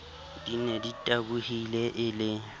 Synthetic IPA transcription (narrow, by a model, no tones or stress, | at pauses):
d̥ineditʼabuhilɛʔɪlɪ